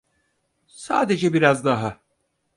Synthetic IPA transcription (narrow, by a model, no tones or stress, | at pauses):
sa̰ːd̪e̞d͡ʒɛbiɾazd̪aɦa